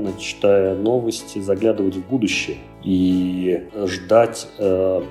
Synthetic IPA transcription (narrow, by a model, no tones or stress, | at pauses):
nət͡ɕːɪ̥t̪ajəno̞vəsʲtʲɪzɐɡlʲad̪əvətʲvbud̪ʊɕːɪjə | i | ʐd̪atʲə